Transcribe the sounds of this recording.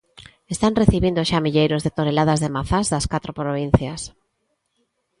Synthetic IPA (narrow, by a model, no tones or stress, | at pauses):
est̪anreθiβind̪ʊʃamiʎejɾʊzðet̪onelaðazðemaθazðɐskat̪ɾopɾoβ̞in̟θjas